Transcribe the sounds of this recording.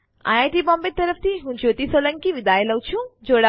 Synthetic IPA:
a̰ːjaːʈibɔ̃ːmbet̪ːəɾəft̪ʰiɦũd͡ʒoːt̪isoːlə̃ŋkiʋɪd̪aːjeləwt͡ʃʰũd͡ʒoːɽa

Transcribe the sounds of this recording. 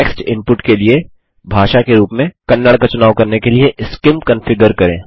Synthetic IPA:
ɛːksʈɪ̃mpʊʈkelie | bʱaːʃakeɾuːpmẽkɐnːəɽkat͡ʃʊnaːʋkɐɾnekelieʔɪskɪmkɐ̃nfɪɡəɾkɐɾẽː

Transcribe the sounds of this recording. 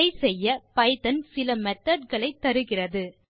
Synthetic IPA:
ɐɪsɛjːɐpɐɪt̪ɐnsɪlɐmɛt̪ːɐɖɣɐɭɐɪt̪ːɐɾɯɣɪrɐðɯ

